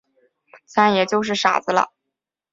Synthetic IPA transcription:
t͡sʰa˥njɛ˨˩t͡ɕjo˥˧ʊʂ̬ɻ̩˥˩ʂa̰˨˩d͡z̩˧˦lə̰˧

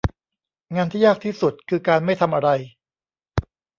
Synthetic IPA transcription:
ŋaː˧nt̪ʰiː˥˩jaː˥˩k̚t̪ʰiː˥˩su˨˩t̪̚kʰɯː˧kaː˧nma˥˩jt̪ʰa˧mʔa˧ɾa˧j

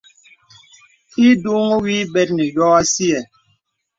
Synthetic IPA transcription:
i˦du˦ŋo˦wiː˦bɛ˦t̚nɛ˨jɔ˦a˦si˦ɛ˨

